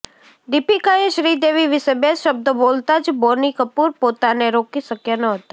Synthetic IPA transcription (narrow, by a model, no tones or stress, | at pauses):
d̪ɪpikaẽʃɾiːd̪eːʋiʋɪsebeːsʃəb̚d̪əboːlt̪ad͡ʒboːɾnikəpuːɾpoːt̪aneɾoːkisəkjənəɦot̪a